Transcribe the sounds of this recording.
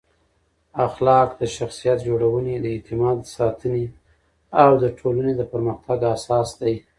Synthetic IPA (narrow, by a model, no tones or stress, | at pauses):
axlɑkd̪əʃaxsijat̪̚d͡ʒoɽawəned̪əɪt̪ɪmɑd̪sɑt̪ʰəne | awd̪əʈʰolaned̪əpəɾməxt̪aɡasɑsd̪aj